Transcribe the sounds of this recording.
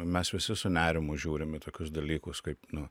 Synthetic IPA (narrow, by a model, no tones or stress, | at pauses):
mʲɛsʋʲɪsʲɪsʊnʲæːɾʲɪmʊʒʲuːɾʲɪmɪt̪oːkʲʊsd̪ɐlʲiːkʊskɐɪpnʊ